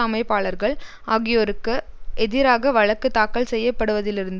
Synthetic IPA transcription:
ɐmɐɪpːaːɭɐɾɣɐɭ | ʔaːɣɪjoːɾɯkːɯʔɛðɪɾaːɣɐʋɐɻɐkːɯt̪aːkːɐɭsɛjːɐpːɐɽɯʋɐðɪlɪɾɯnd̪

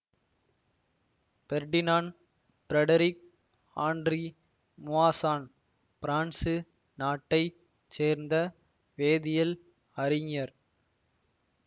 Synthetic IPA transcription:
b̥ɛɾɖɪnaːn | pɪɾɛɽɐɾɪk̚ | aːnɖri | mʊaːsaːn | pɪɾaːɳsɯ | naːʈːɐɪ | t͡ʃeːɾnd̪ɐ | ʋeːðɪjɐl | ɐɾɪŋjɐɾ

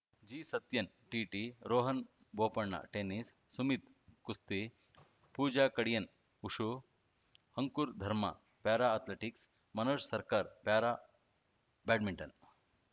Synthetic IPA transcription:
d͡ʑiːsɐt̪jɐn | ʈiʈiɾoːɦən | bopɐɳːa̰ʈenisːumit̪ | kust̪i | puːd͡ʒakɐɽjɐn | uʂu | hɐŋkuɾd̪ʱɐɾma̰ | paɾaːt̪leʈiks | mɐnoʂsɐɾkaɾpaɾa | bɛʈmiɳʈɐn

